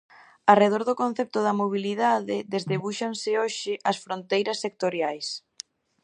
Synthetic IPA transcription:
ɐreð̞oɾðʊkõn̟θɛp̚t̪ʊðɐmoβiliðaðɪðezðeβuʃaŋsɪoʃɪʔɐsfɾont̪ejɾɐsːek̚t̪oɾjajs

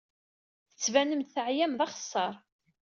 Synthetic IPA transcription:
θə̥t͡sːvænəmt̪θəʕjæmðɑχə̥sˤːɑɾˤ

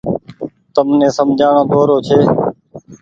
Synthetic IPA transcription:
t̪əmnẽːsəmd͡ʒʱaːɳõːt̪oːɾoːt͡ʃʰeː

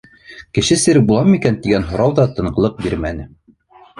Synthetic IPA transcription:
kɘ̆ʃɘsɘ̆ɾɘbulˠɑmikænt̪iɡænɦŏɾɑwðɑt̪ɤ̆ɴɢɤ̆lˠɤq̚biɾmæ̰nɘ

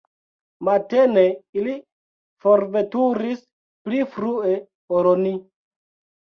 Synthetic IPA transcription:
mateneili | foɾvetuɾis | plifɾue | oɾoni

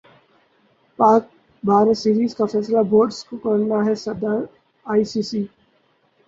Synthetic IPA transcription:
paːk̚ | baːɾesiːɾiːzkafɛːslaboːɾɖskokɐɾnaɦɛsɐd̪aɾ | aːisiːsiː

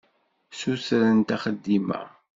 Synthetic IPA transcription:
suθɾənt̪æχəd̪ːimæ̰

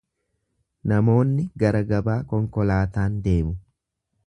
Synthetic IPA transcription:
nɐmo̞ːnːɪɡɐɾɐɡɐbaːkɔŋkɔlaːt̪aːnd̪eːmʊ

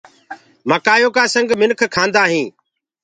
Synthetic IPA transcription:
məkaːjoːkaːsəŋɡmɪnkʰkʰãːnd̪aːɦĩː

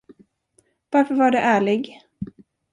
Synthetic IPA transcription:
vaɾfœɾvaɖɛʔæːɭɪɡ

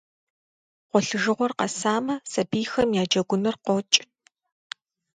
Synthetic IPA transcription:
qʷɔɬɨʒɨʁʷɔrqɐsaːmɐsɐbiːxɐmjaːd͡ʒɐɡʷʊnɨrqʷɔt͡ʃʼ

